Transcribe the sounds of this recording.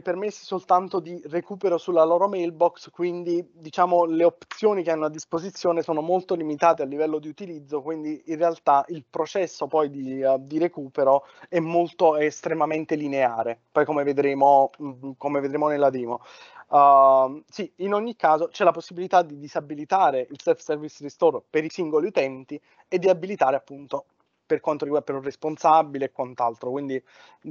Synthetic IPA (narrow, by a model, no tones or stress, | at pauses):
permesːi̥solt̪ant̪od̪irekuːpeɾosulːaloːɾomɛjlbɔkskwind̪id̪it͡ʃaːmoleopt̪sjoːnikeanːoad̪ːispozit̪sːjoːnesoːnomolt̪olimit̪aːt̪ealːivɛlːod̪iut̪ilid̪zːokwind̪iinrːealt̪aʔilpɾot͡ʃɛsːopɔjd̪id̪iɾekuːpeɾo | ɛmːolt̪oest̪ɾemament̪elineaːɾepɔjkomeved̪ɾeːmokomeved̪ɾeːmonelːat̪ɾiːmo | siinoɲːikːaːzot͡ʃɛlaposːibilit̪ad̪id̪izabilit̪aːɾeʔilsɛlfsɛrvisrist̪orpeɾisiŋɡoliut̪ɛnt̪i | ed̪ːiabːilit̪aːɾeapːunt̪o | perkwant̪oɾiɡwapeɾuresponsabːileːkːwant̪alt̪ɾokwind̪i